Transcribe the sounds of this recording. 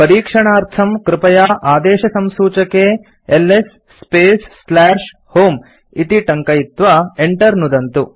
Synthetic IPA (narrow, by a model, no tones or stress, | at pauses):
pɐɾiːkʂɐɳaːɾt̪ʰɐmkɾɪpɐjaːʔaːd̪ɛːʃɐsɐmsuːt͡ʃɐkeː | elːesː | peːsːlaːʂ | hoːm | it̪iʈɐŋkɐjit̪ʋɐeɳʈɐɾnud̪ɐnt̪u